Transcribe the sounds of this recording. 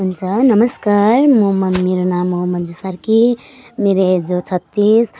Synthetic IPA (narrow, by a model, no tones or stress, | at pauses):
ɦunt͡sʰʌnʌməskaɾmomɐmeɾonamomɐd͡ʒusaɾkimeɾed͡zot͡sʰʌt̪ːis